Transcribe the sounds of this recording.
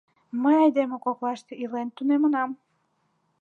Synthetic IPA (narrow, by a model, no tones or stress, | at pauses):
məjɑjd̪emekoklɑʃt̪eilent̪unemənɑm